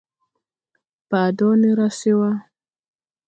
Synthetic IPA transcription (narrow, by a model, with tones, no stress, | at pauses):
paː˨dɔ˦ni˦ɾa˦si˦wa˦